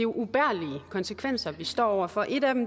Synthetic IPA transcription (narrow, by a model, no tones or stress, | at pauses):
e̝jo̝ʔub̥æɐ̰liəkʰɒ̽nsəkʰʋen̰sɐʋisd̥ɒ̰ːɒʊ̰ɐfɒ̽ʔe̝ɾæd̥em